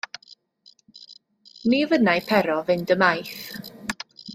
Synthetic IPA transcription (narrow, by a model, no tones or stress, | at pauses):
nivənajpʰɛɾɔvɪndəmajθ